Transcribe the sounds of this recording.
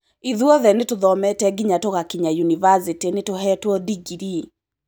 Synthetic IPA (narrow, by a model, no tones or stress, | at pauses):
iðuɔðɛnetoðɔmɛtɛɡiɲatoɣakiɲajunivasitinetoɦɛtwɔdiɡiɾi